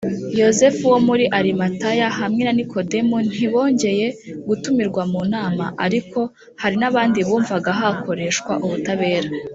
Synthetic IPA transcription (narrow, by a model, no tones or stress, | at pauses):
jo̞ze̞fuwo̞muɾiʔaɾimatajaɦamŋe̞nanikʰo̞de̞mun̥iβo̞ːɲɟe̞je̞ɡutumiɾɡwamuːnaːma̰ʔa̰ɾiko̞ | haɾinaβaːndiβuːɱvaɡaɦako̞ɾe̞ʃkwa̰ʔuβutaβe̞ːɾa